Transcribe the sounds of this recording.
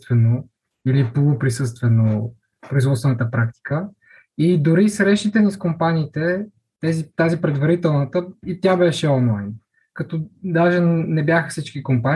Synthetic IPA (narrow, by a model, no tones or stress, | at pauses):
t̪vɛno | ilipolˠopɾisɤst̪vɛno | pɾoizvɔt̪svɛnət̪əpɾak̚t̪i̥kə | id̪ʊɾisɾɛʃt̪it̪ɛniskompaniːt̪ɛ | t̪ɛzit̪azipɾɛd̪vɐɾit̪ɛlˠnət̪əit̪ʲabɛʃɛɔnlˠajn | kɐt̪ɔd̪aʒɛnɛbjaxəfsit͡ʃkikompan